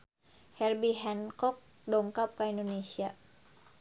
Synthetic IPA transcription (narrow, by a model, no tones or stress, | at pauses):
hɛlbiɦɛnkɔk̚ | dɔŋkap̚kaindonesia